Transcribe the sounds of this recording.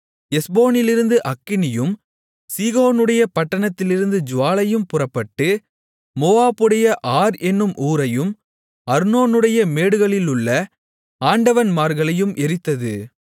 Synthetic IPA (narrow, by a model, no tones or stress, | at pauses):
ɛsboːnɪlɪɾɯnd̪ɯʔɐkːɪnɪjɯm | siːɣoːnɯɽɐjɐpɐʈːɐɳɐt̪ːɪlɪɾɯnd̪ɯd͡ʒʊʋaːlɐjɯmpʊrɐpːɐʈːɯ | moːaːpɯɽɐjɐʔaːɾɛnːɯmʔuːɾɐjɯm | ɐɾnoːnɯɽɐjɐmeːɽɯɣɐɭɪlɯɭːɐ | aːɳɖɐʋɐnmaːɾɣɐɭɐjɯmʔɛɾɪt̪ːɐðɯ